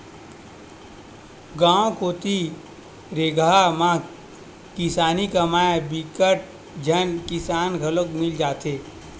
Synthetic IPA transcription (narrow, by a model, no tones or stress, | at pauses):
ɡaːõkoːt̪i | ɾeːɡʱamã | kɪsaːnikɐmaːebikəʈ̚ | d͡ʒʱɐnkɪsaːnɡʱɐləkmɪld͡ʒaːt̪eː